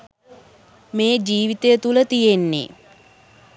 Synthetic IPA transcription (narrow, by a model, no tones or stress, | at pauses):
meːd͡ʒiːʋit̪ejət̪ulət̪ijenːḛ